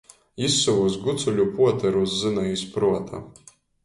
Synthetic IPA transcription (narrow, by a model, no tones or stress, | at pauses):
isːuvusɡut̪sulʲupuɔt̪ɐɾuszɨnaispɾuɔt̪ʰa̰